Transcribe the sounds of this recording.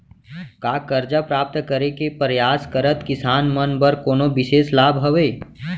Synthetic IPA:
kaːkɐɾd͡ʒapɾaːp̚t̪kəɾekepɾjaːskəɾət̪kɪsaːnmənbəɾkoːnobɪʃeːslaːbɦɐʋeː

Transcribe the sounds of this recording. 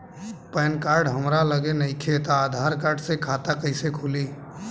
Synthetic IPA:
pɛːnkaːɾɖɦəmɾaləɡenəĩkʰet̪aaːd̪ʱaːɾkaːɾɖsekʰaːt̪akəɪsekʰuli

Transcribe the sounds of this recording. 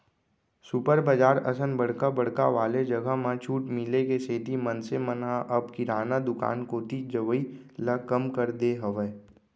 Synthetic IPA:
supəɾbəd͡ʒaːɾɐsənbəɽkabəɽ̤kaʋaːled͡ʒɐɡəmãt͡ʃʰuːʈmɪlekeseːt̪imənsemənɦãʔɐbkiɾaːnad̪ʊka̰ːnkoːt̪id͡ʒəʋiləkɐmkəɾd̪eɦɐʋeː

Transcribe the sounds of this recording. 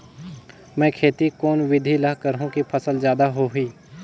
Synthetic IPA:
mɛ̃ːkʰeːt̪ikoːnʋɪd̪ʱilaɦkəɾɦũkipʰəsəlzjaːd̪aɦoɦʊiː

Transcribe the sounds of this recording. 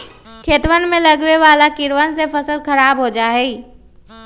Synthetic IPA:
kʰeːt̪ʋənmẽləɡʋeʋaːlakɪɾʋəns̬epʰəsəlkʰəɾaːbɦod͡ʒaːɦɛi

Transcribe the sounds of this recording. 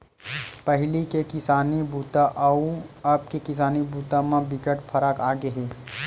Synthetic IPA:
pɐɦɪlikekɪsaːnibuːt̪aʔɐuɐb̚kekɪs̬aːnibuːt̪amãbɪkəʈpʰɐɾəkaːɡeɦeː

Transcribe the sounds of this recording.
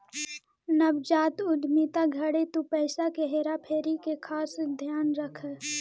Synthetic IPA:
nəbd͡ʒaːt̪ʊd̪ʱmit̪aɡʱɐɽet̪upɛːsakeɦeːɾapʰeːɾikekʰaːsd̪ʱjaːnɾəkʰə

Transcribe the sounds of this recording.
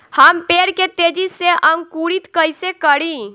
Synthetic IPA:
həmpeɽket̪ed͡ʒiseʔəŋɡkuɽit̪kəjsekəɽi

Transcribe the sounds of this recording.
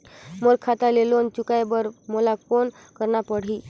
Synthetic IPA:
moɾkʰat̪alelont͡ɕukajbəɾmolakon | kəɾɳapəɽ̤i

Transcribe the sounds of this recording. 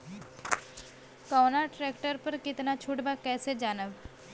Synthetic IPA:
kɔːnaʈɾeːkʈəɾpɐɾkɪt̪nat͡ʃʰʊʈbakɛːsed͡ʒaːnəb

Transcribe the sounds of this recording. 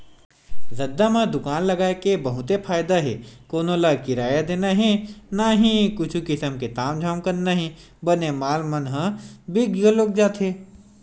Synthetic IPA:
zɐd̪ːamãd̪ʊkaːnlɐɡaːekebɐɦʊt̪epʰaːjd̪aɦḛkoːnõlakɪɾaːjad̪eːnaɦɛnaɦĩkʊt͡ʃʰukɪsəmket̪aːmd͡ʒʱaːmkɐɾnaɦĩ | bɐnemaːlmɐnɦə̃biɡəloːk̚d͡ʒaːt̪ɦe

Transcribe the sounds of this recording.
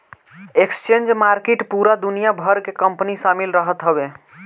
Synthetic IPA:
ekst͡ʃend͡ʒmaɾkeʈpuɾad̪unijabʱəɾkekəmpniʃamilɾəɦət̪ɦəbe

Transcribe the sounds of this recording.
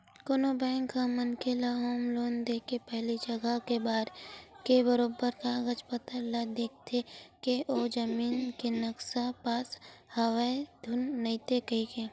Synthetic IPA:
konobɛ̃ːŋkːamənkelaɦoːmloːnd̪eːkepɛɦlid͡ʒəɡəkebaːd̪kebəɾoːbəɾkaɡət͡ʃpət̪əlad̪eːk̚ʰt̪ʰekeʔod͡ʒəmiːnkenəksapaːshɐwəed̪ʱʊnːəɪt̪ekəikeː

